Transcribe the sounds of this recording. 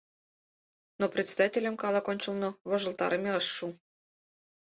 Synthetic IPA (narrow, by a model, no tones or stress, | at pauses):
nopɾʲet̪sʲed̪ɑtʲelʲə̆mkɑlˠɑkonʲt͡ɕə̆lˠnŏβŏʒɤ̆lˠt̪ɑ̰ɾɤmʲeɤʃːu